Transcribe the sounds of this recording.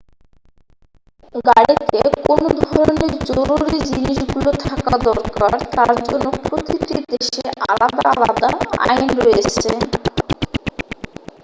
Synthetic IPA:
ɡaɽit̪ekonod̪ʱɔɾoneɾd͡ʑoɾuɾid͡ʑiniʃɡulot̪ʰakad̪ɔɾkaɾt̪aɾd͡ʑɔnːopɾot̪it̪id̪eʃeʔalad̪aalad̪aa̰jnɾoet͡ɕʰe

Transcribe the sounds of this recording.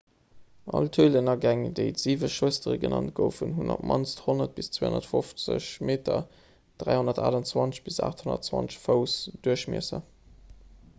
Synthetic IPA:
ʔɑltʰuːlənɐɡæŋdeɪtz̥iːvəʃustəʁəɡənɑnt̚ɡ̥əʊfunɦuno̰pmɑnsthonɐt̚b̥ist͡sweo̰ndɐtfoft͡sə̰ɕmeːtɐ | d̥ʁæɪhonɐtaːdɑnt͡swɑnt͡səɕb̥isa̰ːχtʰhonɐ̰tt͡swɑnt͡sʃfəʊsd̥uəɕmiəsə̰

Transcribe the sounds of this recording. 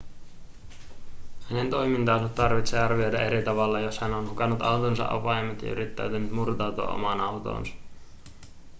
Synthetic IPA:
hæne̞nt̪o̞jmint̪ɑːsot̪tɑrʋit̪seːɑrʋio̞jdɑʔe̞ɾit̪ɑʋɑlːɑjo̞shænonhukɑnːut̪ɑ̰wt̪onsɑ̰ʔɑ̰pɑjmet̪jɑ̰y̰ɾit̪ːæ̰ɥt̪ænːyt̪murt̪ɑwt̪uɑ̰ʔo̞̰mɑnɑwt̪o̰ːnsɑ̥

